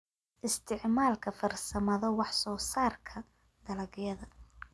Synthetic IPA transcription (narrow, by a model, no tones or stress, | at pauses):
ʔɪst̪ʰɪʕmaːlkʰɐfɐrsɐmɐðɐwɑħsɔːsaːrkʰɐ | d̪ɐlɐɣjɐðɐ